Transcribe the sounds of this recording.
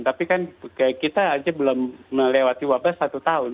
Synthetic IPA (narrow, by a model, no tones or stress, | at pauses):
nt̪apikankaakit̪aːd͡ʒabəlɔmːəlewat̪iwabasːat̪ut̪aʊn